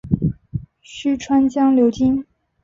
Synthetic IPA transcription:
ɕy˥ʈ͡ʂʰwa˥nt͡ɕjɑ˥ŋljo˧˥ʊt͡ɕi˥n

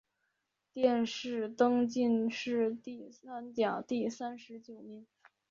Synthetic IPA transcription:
t̪jɛ˥˧nʂɻ̩˥˩t̪ɤ˥ŋt͡ɕi˥˧nʂɻ̩˥˧t̪i˥˩sa˥nt̪jɑ˨˩ŋt̪i˥˩sa˥nʂɻ̩˧˥t͡ɕjo˨˩ʊnɛ˧˥n

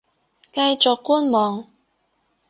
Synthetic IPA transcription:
kɐ˧jt͡sɔ˨kːuː˥nmɔː˨ŋ

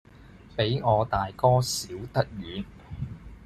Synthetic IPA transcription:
pe˨˥jŋɔː˨˧t̪aː˨jkɔː˥siː˨˥wt̪ɐ˥t̚ɥyː˨˧n

